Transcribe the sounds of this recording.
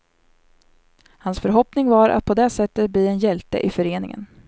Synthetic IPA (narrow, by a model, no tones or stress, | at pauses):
hansfœɾɦɔpnɪŋvaɾʔa̰t̪̚pʰɔd̪ɛsɛt̪ːət̪̚bliːɛnjɛlt̪ə̰ʔɪfœɾeːnɪ̰ŋə̰n